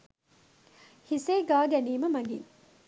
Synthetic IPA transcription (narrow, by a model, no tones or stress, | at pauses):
hiseːɡaːɡæniːməmɐɡḭŋ